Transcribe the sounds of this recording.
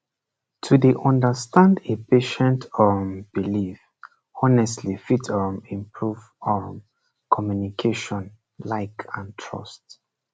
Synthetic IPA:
tʰudeʔɔ̃ndəstãndepʰeʃɛ̃ntɔb̥ilif | ɔnɛstʰlifitɔmĩmpʰɹuv | ɔm | kʰɔmjunikʰeʃɔ̃n | laɪkʰãntʰɹɔ̰st

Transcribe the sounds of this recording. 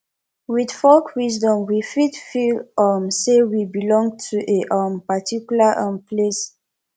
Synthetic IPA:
widfɔkwis̬dɔ̃mwifitfilamsewibilɔ̃ŋɡtʰuʔeʔampatikjulaʔãmpʰles

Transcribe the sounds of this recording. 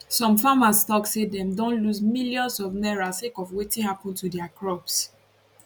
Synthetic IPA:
sɔ̃mfamastɔksedɛ̃mdõnlusmiljɔ̃nsɔvnɛɹasekɔfwetĩhapɔ̃ntudɛakɹɔps

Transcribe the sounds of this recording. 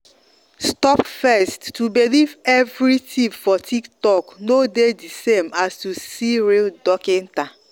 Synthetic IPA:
stɔpfɛstːubilivɛvɾitʰifɔtʰiktɔknodedisemastusiɾildɔkɪ̃n̩ta

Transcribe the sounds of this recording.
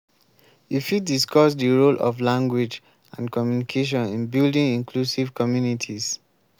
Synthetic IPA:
ifidiskɔs̬dəɹolʔɔ̰vlãŋɡwid͡ʒ | ã̰nkɔmjunikʰeʃ̬ɔ̃nĩnbildĩŋĩŋkʰlusivkʰɔmjunitʰis

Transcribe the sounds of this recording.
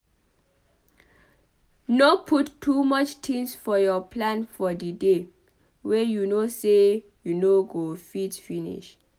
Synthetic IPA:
nopʰutʰːumʌt͡ʃtʰĩŋsfɔjɔpʰlãnfɔdide | wɛjunose | junoɡofitfinḭʃ

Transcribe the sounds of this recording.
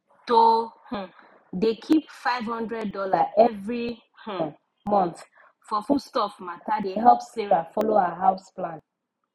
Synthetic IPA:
toh̩ | dekʰipfaɪvhɔ̃ndɹɛd̚ːɔlaʔɛvɹi | h | mɔ̃nθ | fɔfustɔfmatadeɦɛlpseɹafɔloawaɦaʊsplãn

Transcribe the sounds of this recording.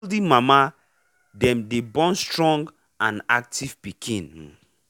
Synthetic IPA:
ldimama | dɛ̃mdebɔ̃nstɹɔ̃ŋɡ | ãnak̚tʰiv̥pikʰĩn

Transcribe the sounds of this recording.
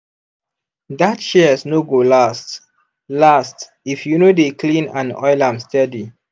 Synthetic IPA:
datʃisnoɡolast | last | ifjunodeklĩnãnɔ̰ɪlãmstɛdi

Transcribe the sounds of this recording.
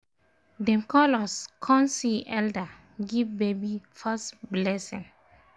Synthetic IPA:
dɛ̃mkɔlɔskʰɔ̃nsiʔɛlda | ɡivbebifastblɛsĩŋ

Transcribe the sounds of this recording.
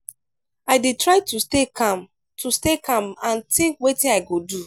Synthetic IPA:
aɪdetɹaɪtustekam | tʰustekãmãntĩŋkwetĩnaɪɡodu

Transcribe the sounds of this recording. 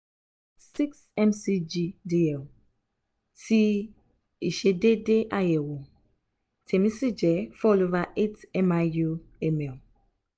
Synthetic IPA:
siksɛ̃msid͡ʒidiɛl | ti | iʃededeʔajɛwo | tʰɛmisid͡ʒɛfɔlovaʔetɛmajuɛmɛl

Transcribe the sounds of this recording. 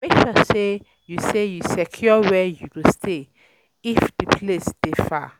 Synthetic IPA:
eʃɔse | jusejusɛkʰjɔwɛjuwustʰe | ifdipʰlesd̥efa

